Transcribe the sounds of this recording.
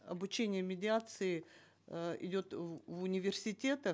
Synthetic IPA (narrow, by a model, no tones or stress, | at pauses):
ɐ̰bʊt͡ɕenʲɪjəmʲɪdʲɪat̪sɨɪ | ɪ̰dʲo̞t̪vʊnʲɪvʲɪrsʲɪtʲe̞t̪ə